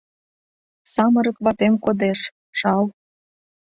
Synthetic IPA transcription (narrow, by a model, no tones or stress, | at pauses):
sɑmə̆ɾə̆kβɑt̪emkod̪eʃ | ʃɑl